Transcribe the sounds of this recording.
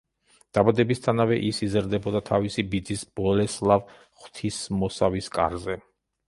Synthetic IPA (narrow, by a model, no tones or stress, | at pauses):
d̪̥abad̪ɛbist̪ʰanavɛʔisizɾd̪ɛbɔd̪at̪ʰavisibid̪zisb̥ɔlɛslˠav | χt̪ʰismɔsaviskʼa̰ɾzɛ